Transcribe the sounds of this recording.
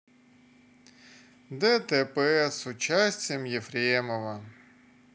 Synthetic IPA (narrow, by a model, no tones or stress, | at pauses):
d̪ɛt̪ɛpɛsʊt͡ɕasʲtʲɪjəmjɪfɾʲeməvə